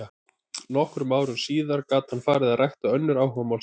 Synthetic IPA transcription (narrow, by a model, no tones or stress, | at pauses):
nɔhkɾʏmaːwɾʏɾsiːðaɾkaːt̪hanfaːɾɪðaðrajht̪aœnːʏɾaːwhœmawl